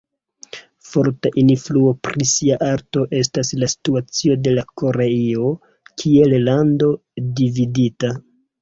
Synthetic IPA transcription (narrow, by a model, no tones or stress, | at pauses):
fo̞ɾtaʔinfluo̞pɾisiaʔaɾto̞ʔe̞s̬taslasi̥tuat͡sio̞de̞lako̞ɾeio | kʰie̞llando̞dividita